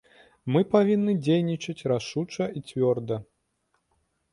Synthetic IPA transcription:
mɨpavʲinːɨd͡zʲejnʲit͡ʂɐt͡sʲraʂut͡ʂɐit͡sʲvʲɔrd̪ɐ

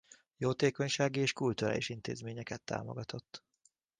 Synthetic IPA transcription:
joːt̪eːko̞ɲʃaːɡieːʃkult̪uɾa̰ːliʃint̪eːzmeːɲɛkɛt̪ːa̰ːmo̞̰ɡɒt̪ʰo̞t̪ː

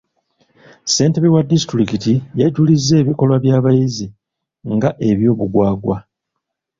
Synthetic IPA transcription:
se̞ːnteβiwadistɾikitijaɟulizːe̞ːβiko̞lwaβjaːβajizi | ŋɡaʔe̞βjo̞ːβuɡwaːɡwa̰

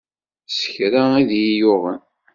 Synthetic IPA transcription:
sə̥çɾaiðjijʊʁən

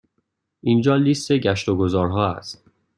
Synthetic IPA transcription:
ʔind͡ʒɒːlist̪e̞ɟæʃt̪oɡozɒːɾɦɒːæ̰st̪

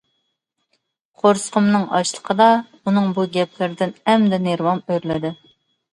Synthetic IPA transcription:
qʰoɾsə̥qʰəmnɨŋɑ̰ʃlˠə̥qʰəd̪ɑ | unɨŋbuɡʲɛpʰlɪɾɪd̪ɪnɛmd̪ɛneɾwɑmøɾlɪd̪ɪ

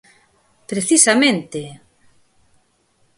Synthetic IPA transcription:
pɾeθisamẽnt̪e

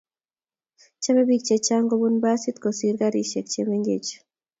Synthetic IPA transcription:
t͡ʃamɛbik̚t͡ʃet͡ʃaŋɡobunbasit̪kosiɾɡaɾiʃek̚t͡ʃemeŋɡḛt͡ʃ

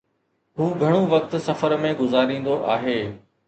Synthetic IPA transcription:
ɦũːɡʱɐɽ̃oʋɐk̚t̪sɐfəɾmẽɡʊzaːɾĩːn̆d̪oʔaːɦeː

